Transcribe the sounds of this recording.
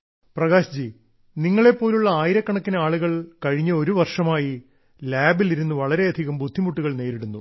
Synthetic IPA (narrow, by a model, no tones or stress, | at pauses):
prɐɣaːɕɐd͡ʑi | niŋːɐɭe̞pːo̞ːluɭːɐaːjiɾɐkːɐɳɐkːinɐaːɭuɣɐɭkɐɻiɲːɐo̞ɾuʋɐrʂɐmaːji | laːbiliɾunːuʋɐɭɐɾe̞ɐd̪ʱiɣɐmbud̪ʱːimuʈːuɣɐɭne̞ːɾiɽunːu